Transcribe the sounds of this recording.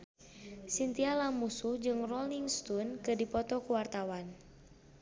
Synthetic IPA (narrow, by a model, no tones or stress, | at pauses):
sint̪ialamusuhd͡ʒɨŋrɔliŋst̪unkɨdipɔt̪ɔkuwart̪awan